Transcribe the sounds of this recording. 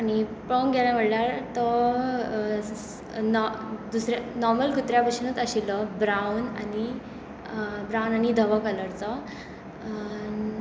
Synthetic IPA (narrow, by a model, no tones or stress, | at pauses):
añipəŋɡɛlãʋəɽlaɾt̪ɔ | nɔd̪usɾanɔɾməlkut̪ɾjapəɕinət͡səɕilɔbɾawna̰ni | bɾawnañid̪ʱəʋəkələɾt͡sɔ | n